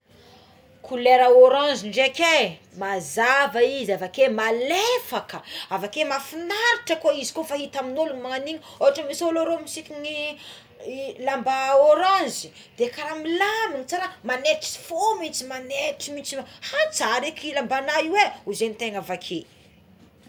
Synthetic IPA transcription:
kʰuleɾaoɾãziɳɖ͡ʐekʲe | mazavaizavakemalefakəavakemafinaɾiʈ͡ʂəkoizi̥kofaɦit̪aminuluɲmaŋaniɲ | oɦaʈ͡ʂəmisoloɾomisikʲiŋi | lambaoɾãzi̥ | d̪̥ekaɾamilaminit͡saɾamaneʈ͡ʂi̥fomit͡simaneʈ͡ʂimit͡simhat͡saɾekilambanaiweuzenit̪eŋavakʰe

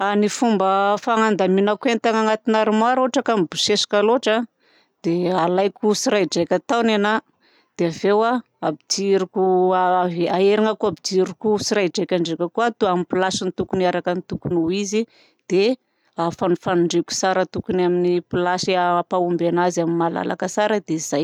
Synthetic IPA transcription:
anifumbəfaŋand̪aminakuenit̪aŋaŋat̪inaɾumaɾoʈ͡ʂakamibuʃesi̥kaloʈ͡ʂa | d̪̥ealajkʲusiɾajd͡ʒajkʲat̪awnena | d̪̥eavewa | abid͡ʒiɾukuaeaeɾiŋakuabid͡ʒiɾukusiɾajd͡ʒejkʲaɳɖ͡ʐekʲəkuat̪uamipilaʃinit̪ukuniaɾakənit̪ukunuizi | d̪̥e | afanufanuɳɖ͡ʐeku̥saɾət̪ukunaminipilasiapaumbenazaminmala̰la̰kəsaɾəd̪eiz̥aj

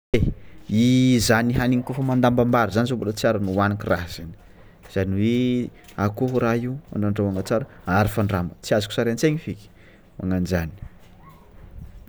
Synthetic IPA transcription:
eizaniɦaniŋikufəmand̪ambambaɾizanizobolət͡siaɾənuanikʲiraɦz̥ani̥ | z̥aniwe | akoɦuɾaiuma̰ɳɖ͡ʐaɳɖ͡ʐawaŋat͡saɾəaɾifaɳɖ͡ʐambət͡siazuku̥saɾeant͡seŋifikʲi̥ | ma̰ŋand͡ʒani̥

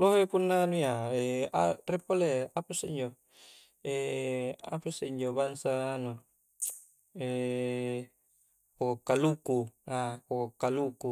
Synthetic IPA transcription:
loɦepunːanuiaea̰repoleapaseiɲd͡ʒo | e | a̰paseiɲd͡ʒobansanu | e | pokkːalukuakokɔkːaluku

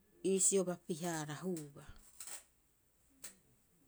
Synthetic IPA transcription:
iːsio̞βapiɦaːɾaɦuba

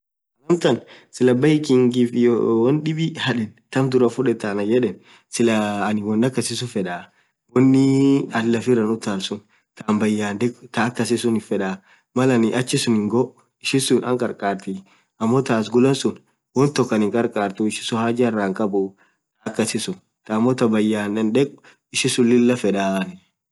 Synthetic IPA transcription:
ɐlɐmt̪ɐnsɪlɐbɐɪkɪŋɡɪfɪjwɔnɗɪbɪhɐᶑɛnt̪ɐmd̪ʊɾɐfʊᶑɛt̪ːanɐjɛᶑɛn | sɪlɐːnɪwɔnːɐkːɐsɪs̬ʊfɛᶑaː | wɔnːɪɐlːɐfɪrɐnʊt̪ːaːlsʊn | t̪aːmbɐjːaːnd̪ɛkt̪aːkːɐsɪsʊnɪfɛᶑa | mɐlɐnɪʔɐt͡ʃːɪsʊnɪŋɡɔ | ɪʃɪsʊnɐŋkʼɐɾkʼaːɾt̪i | ɐmːɔt̪aːs̬ɡʊlɐnsʊn | wɔnt̪ɔkːɐnɪŋkʼɐɾkʼaːɾt̪ʊɪʃɪ̥sʊhaːd͡ʒɪɐrːaːŋkʼɐbʊ | t̪ɐkːɐsɪsʊn | t̪ɐːmːɔt̪ɐbɐjːaːnᶑɐnᶑɛkʼʊ̥ | ɪʃɪsʊlɪlːɐfɛᶑaːnɪ

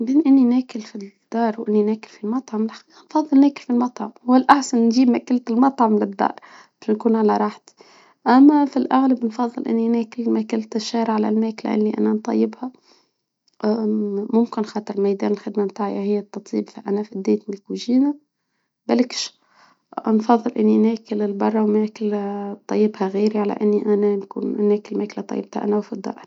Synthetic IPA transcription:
beːnʔɪnːinæːkɪlfid̪̥ːɑːɾˤwʔɪnːinæːkɪlfilmɑt̪ˤʕɑmlɪlħḁqiːqɑnfɑðˤːɨlnæːkɪlfilmɑt̪ˤʕɑmhʊwalʔaħsannʒiːbmækɪlt̪ɪlmɑt̪ˤʕɑmlɪd̪ːɑ̰ːɾˤ | bɪ̥ʃnkuːnʕalaɾˤɑːħt̪i̥ | ʔæmːæfilʔaɣlabnfɑðˤːɨlʔɪ̰nːinæːkɪlmækɪlt̪ɪʃːɑːɾʕalæ̰lmæːkla̰ʔɪ̰lːiʔæ̰nænt̪ˤɑ̰jːɪbha | ʔmʊmkɪnxɑːt̪ˤɨɾˤlmajd̪æːnɪlxɪd̪mamt̪aːʕjahɪjːat̪ːɑt̪ˤiːbfiʔænafid̪ːeːt̪milkuʒiːna | bælkʃ | nfɑðˤːɨlʔɪnːinæːkɪlɪlbɑrˤːɑwmæːkɪlt̪ˤɑjːɪbhaɣiːɾiʕala̰ʔɪnːiʔænankṵːnnæːkɪlmæːklat̪ˤɑ̰jːɪb̚t̪ʰa̰ʔa̰nawfid̪ːɑ̰ːʔɾˤ

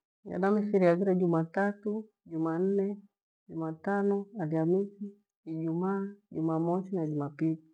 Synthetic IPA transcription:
ja̰namisiɾiaɡiɾad͡ʒumatatu | d͡ʒuman̩nɛ | ɟumatanɔaliamisi | id͡ʒumaːd͡ʒṵmamɔt͡ʃinad͡ʒumapili

